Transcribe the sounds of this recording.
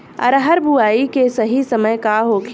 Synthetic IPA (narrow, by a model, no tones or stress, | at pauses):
ɐ̰ɾɦəɾbʱuaːikesɐɦisəməjkaɦoːk